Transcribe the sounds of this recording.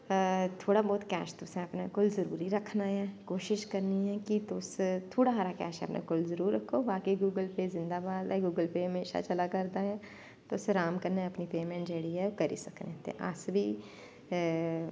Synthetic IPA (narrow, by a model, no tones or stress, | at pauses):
t̪ʰoːɽabɔːt̪kɛ̰ːʃt̪ʊsɛ̃ɐpnakʊlzɐɾṵːɾiɾɐkʰnaɦɛ̃ːkoːʃɪʃkɐɾniɦɛkit̪ost̪ʰoːɽaɦaːɾakɛ̰ːʃɦɛ̰ɐpnʔḛkʊlzɐɾuːɾːɐkʰobaːkeɡuːɡəlpeːzɪ̃nd̪aːbaːd̪ɛɡuːɡəlpeɦɐmeːʃa̰t͡ʃɐlakɐɾd̪aɦɛ̃ː | t̪oːsɾaːmkɐɾneɐpnipeːmẽːɳʈd͡ʒəɽiɦɛokɐɾḭsɐknet̪ḛ̃ʔa̰ːsbʱi